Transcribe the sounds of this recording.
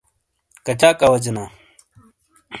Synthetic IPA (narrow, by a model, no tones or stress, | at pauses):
kɐt͡ɕʰaːkɐwɐd͡ʑinaː